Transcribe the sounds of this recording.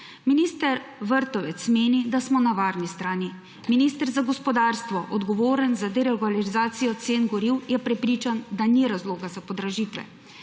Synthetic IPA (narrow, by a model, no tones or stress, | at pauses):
miniːst̪əɾʋəɾt̪ɔʋɛt̪smeːnid̪asmɔnaʋaːɾnist̪ɾaːni | miniːst̪əɾzaɡɔspɔd̪aːɾst̪ʋɔʔɔd̪ɡɔʋoːɾənzad̪ɛɾeɡalilizaːt̪sijɔt̪seːnɡɔɾiwjɛpɾɛpɾiːt͡ʃand̪aniɾazloːɡazapɔd̪ɾaʒiːt̪ʋɛ̰